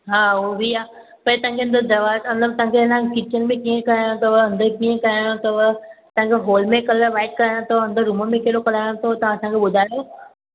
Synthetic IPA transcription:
ɦaːɦobʱiaː | pɐ̃t̪ɐ̃ɦãŋkʰeɐ̃nd̪əd̪ɐʋaːtmɐt̪ləb̚t̪ɐɦãŋkʰelãkɪt͡ɕənɪ̆mẽkiːẽkɐɾaːjõt̪ɐʋəɐ̃nd̪əkiːẽkɐɾaːjõt̪ɐʋt̪ɐ̃ãkʰeɦoːlmẽkɐləʋaːɪʈ̚kɐɾaːjãt̪ʰoɐ̃nd̪əɾũːmənmẽkeɦɪɽokɐl̤aːjõt̪ʰot̪ɐʋ̤ãɐsãkʰeɓʊd̪ʱaːjo

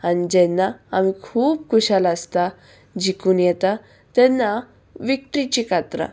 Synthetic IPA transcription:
anid͡ʑɛnːaːmikʰuːb̚kʰuɕalaəst̪a | d͡ʑikuːnjɛt̪a | t̪ɛnːa | ʋik̚ʈɾit͡ɕikat̪ɾa̰

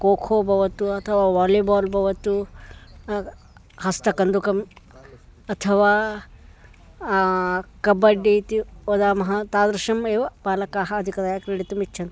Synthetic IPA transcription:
koːkʰoːbʱɐʋɐt̪uɐt̪ʰɐʋaːʋaːliːbaːlbʱɐʋɐt̪u | hɐst̪ɐkɐnd̪ukɐm | ɐt̪ʰɐʋaː | kɐbɐɖːiːt̪iod̪aːmɐɦɐt̪aːd̪ɾɐʃɐmeːʋɐbaːlɐkaːɦɐɐd̪ʱikɐd̪aːjakɾiɽit̪umit͡ʃːt͡ʃʰɐnt̪

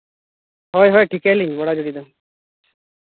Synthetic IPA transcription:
hɔjɦɔjʈʰikɛliŋbɔɽad͡ʒoɽid̪ɔ

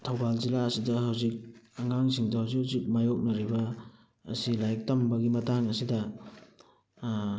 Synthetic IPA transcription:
tʰɐwbalzilaɐsidɐhawzik̚ɐŋaŋsiŋdɐhawzikhawzik̚majok̚nɐɾibɐ̰ː | silajk̚tɐmbɐɡimɐtaŋɐsidɐ

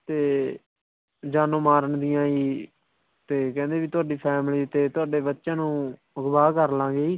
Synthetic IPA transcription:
t̪eː | d͡ʒaːnõːmaːɾəɳd̪ɪjãːiː | t̪eːkɛ̃ːnd̪eːʋiːt̪ʊaːɖiːpʰɛːmliːt̪eːt̪ʊaːɖeːbətːʃãːnũː | ɡbaːkəɾlãːɡeːiː

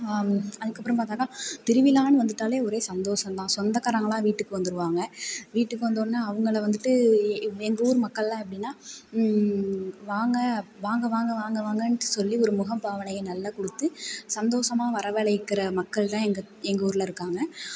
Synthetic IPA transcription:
ɐðɯkːɐpːɯɾɐmpaːɾt̪aːkaːt̪ɪɾɯʋɪlaːnɯʋɐnd̪ɯʈːaːleːɔɾeːsɐnd̪oːsɐmt̪ãːsɔnd̪ɐkːɐɾɐŋɡɐlãːʋiːʈːɯkːɯʋɐnd̪ɯɾɯʋaːŋɡɐʋiːʈːɯkːɯʋɐnd̪oːnnaːɐʋɯŋɡɐɭʋɐnd̪ɯʈːɯɛŋɡɐuːɾmɐkːɐɭlãːɛpːɐɽɪnːaː | ʋaːŋɡɐʋaːŋɡɐʋaːŋɡɐʋaːŋɡɐʋaːŋɡɐnsɔlːiɔɾɯmʊɣɐmbaːʋɐnɐjɐnɐlːakɔɽɯt̪ːɯsɐnd̪oːsɐmaːʋɐɾɐʋeːɭɐɪkːɪɾɐmɐkːɐɭt̪ãːɛŋɡɐ | ɛŋɡɐuːɾɯlɐɪɾɯkːaːŋɡɐ

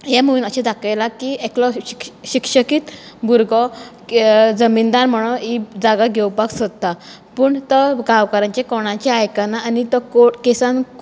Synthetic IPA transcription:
jamuʋinəɕẽd̪akʰajlakiekʰlɔ̥ɕikʂəkiːt̪ | buɾɡɔ | d͡zəmind̪aɾm̤əɽ̃oid͡zaɡaɡʱewpaksəd̪t̪a | pəːɳt̪əɡaʋkaɾãɲt͡ɕekɔɽ̃ãt͡ɕeajkanaːnit̪ɔkokesãn

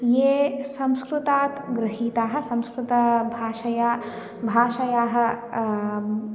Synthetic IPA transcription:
jeːsɐ̃mskɾut̪aːt̪ɡɾɪɦiːt̪aːɦɐ̆sɐ̃mskɾut̪ɐbʱaːʃɐja | bʱaːʃɐjaːɦɐ̆

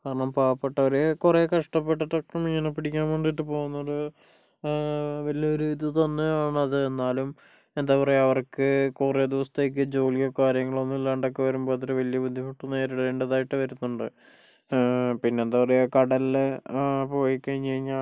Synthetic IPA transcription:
kaːɾɐɳɐmpaːɐpːeʈːɐʋɐɾekureːkɐʂʈɐpːeʈːɐʈːokːemiɲːɐnɐpːiɽikʲːaːnoɳɖiʈːɨpo̞ːɣunːoɽɨ | ʋɐlijɐoɾiːðit̪ɐnːɨaːɳɐðɨenːaːlum | e̞nd̪aːpɐreɐʋɐrkɨkured̪iʋɐsɐ̥t̪e̞ːk̬ːɨd͡ʑo̞ːlijɐkaːɾjɐŋːɐɭo̞nːilːaːɳɖokːeʋɐɾumboːɐt̪ːɐɾɨʋɐlijɐbud̪ʱːimuʈːuneːɾuɽɐeːɳɖeðaːjiʈːɨʋɐɾunːuɳɖɨ | pinːeːnd̪aːpɐrekɐɽɐl | po̞ːjikːɐɲːiŋːa

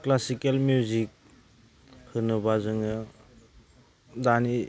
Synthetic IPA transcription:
klasikelmjuzik̚ | hɯnɯbazɯŋɯ | dani

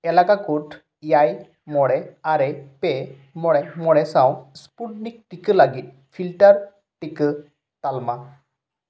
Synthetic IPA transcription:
ɛlakakuʈʰ | jaj | mɔɽɛaɾɛpɛ | mɔɽɛmɔɽɛsawspuʈnik̚ʈikəlaɡit̪̚ | pʰilʈəɾ | ʈikə | t̪alma

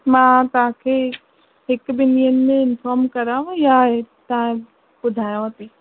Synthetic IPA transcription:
mãːt̪ɐʋɦãkʰeː | ɦɪkbɪnijənɪ̆mẽɪnfɔːɾmkɐɾaːɦũjat̪ɐɦã | bʊd̪ʱaːjõt̪iː

